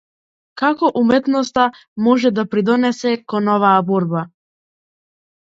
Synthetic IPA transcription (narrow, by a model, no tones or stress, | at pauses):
kakɔʔumɛt̪nɔst̪a | mɔʒɛd̪apɾid̪ɔnɛsɛkɔnɔvaːbɔɾba